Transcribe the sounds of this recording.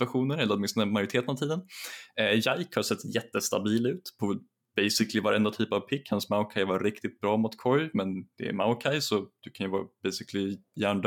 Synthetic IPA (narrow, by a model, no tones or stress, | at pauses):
vaɧuːnəɾɛlːɾɔt̪mɪnst̪nəmajɵɾɪt̪ʰeːt̪ənavt̪iːd̪ənɛjajkhasɛt̪ːjɛt̪ːəst̪a̰biːlʉ̟ːt̪pʰɔ | b̥ɛjsɪklɪvaɾɛnd̪at̪ʰyːpavpʰɪkːhansmaʊkʰajvaɾɾɪkt̪ɪt̪̚bɾɑːmʊt̪kʰɔjmɛnd̪̥ɛ̰ɛ̰maʊkʰajsɔd̪̥ɵkʰanjɵvɑ̰ːbɛjsɪkʰlɪjæːɳɖ